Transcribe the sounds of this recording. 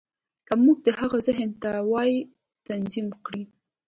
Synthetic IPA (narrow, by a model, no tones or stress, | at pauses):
kamuɡ̚d̪əhaɣazɪɦənt̪awɑj | t̪anziməkɽi